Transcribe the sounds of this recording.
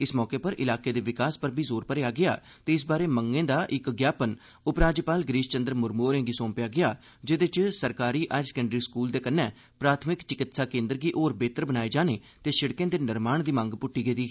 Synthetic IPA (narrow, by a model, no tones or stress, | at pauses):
ɪsmɔːkeːpəɾʔɪ̰laːkeːd̪eːʋɪkaːspəɾbʱiːzoːɾpəɾeːaːɡɪa̰ː | t̪eːɪs̬baːɾeːməŋɡẽːd̪aːʔɪkɡjaːpən | ʊpɾaːd͡ʒpaːlɡɾiːʃt͡ʃənd̪əɾmʊɾmoːɾẽːŋɡiːsoːmpɪjaːɡɪjaː | d͡ʒed̪ɪt͡ʃsəɾkaːɾiːʔaːɪsə̥kəɳɖɾiːskuːld̪eːkənːɛ̃ː | pɾaːt̪ʰmɪkt͡ʃɪkɪt̪saːkẽːnd̪əɾɡiːʔoːɾbeːt̪əɾbənaːeːd͡ʒaːneː | t̪eːʃɪɽkẽːd̪eːnɪɾmaːɳd̪iːmə̃ŋɡpʊʈːiːɡed̪iː